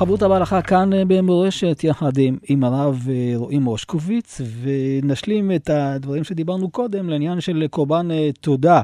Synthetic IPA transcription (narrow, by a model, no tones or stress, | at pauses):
abut̪abealaχakanbemoʁeʃet̪jaħad̪imimaʁavʁoʔimo̞ʃkovit͡svenaʃlimet̪ad̪vaʁimʃed̪ibaʁnuko̞d̪e̞mleinjanʃe̞lkoʁbant̪o̞d̪a